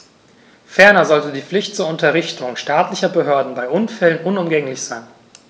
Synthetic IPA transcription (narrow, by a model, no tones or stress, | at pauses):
fɛɐnɐzɔltədiːp͡flɪçtt͡suːɐʊntɐʁɪçtʊŋʃtaːtlɪçɐbəɦøːɐdn̩baɪʔʊnfɛlənʔʊnʊmɡɛŋlɪçz̥aɪn